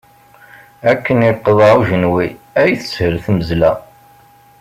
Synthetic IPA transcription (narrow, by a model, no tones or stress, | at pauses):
ækːəniqːəðˤɑuʒənwi | æjθə̥shəlθməzlæ